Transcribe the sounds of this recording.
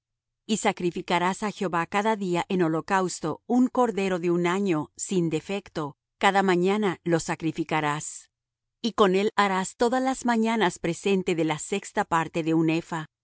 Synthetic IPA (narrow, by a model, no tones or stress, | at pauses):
isakɾifikaɾasaxjeo̞βakaðaðiaʔe̞no̞lo̞kawst̪o̞uŋko̞ɾðe̞ɾo̞ðe̞unaɲo̞sind̪e̞fe̞kt̪o̞ | kaðamãɲanalo̞sakɾifikaɾas | iko̞ne̞laɾast̪o̞ðazlazmaɲanaspɾe̞se̞nt̪e̞ðe̞lase̞kst̪apaɾt̪e̞ðe̞une̞fa